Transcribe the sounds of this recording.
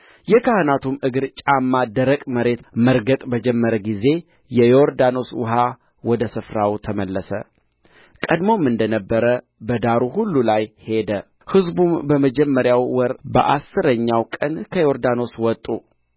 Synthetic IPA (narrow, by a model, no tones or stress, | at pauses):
jɛkʰahɨnat̪ʰumʔɨɡɨɾt͡ʃʼamːad̪əɾəkʼməɾe̞t̪məɾɡət̪ʼbəd͡ʒɛmːəɾəɡize̞ | jɛjoɾd̪ano̞swʊ̰ɦa | wɔd̪əsɨfɾawt̪ʰəməlːəsə̰ | kʼəd̪momːɨnd̪ənəbːəɾə | bəd̪aɾuhulːulajhe̞d̪ə | hɨzbumbəməd͡ʒɛmːəɾjawːɔɾbə̰ʔasːɨɾəɲːawkʼənkʰəjo̞ɾd̪ano̞swɔt̪ʼːu